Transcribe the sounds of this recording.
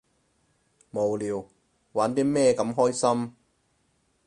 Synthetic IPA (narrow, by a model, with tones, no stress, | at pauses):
mo˨˩wliː˨w | waː˨˥nt̪iː˥mɛː˥kɐ˨˥mɦɔː˥jsɐ˥m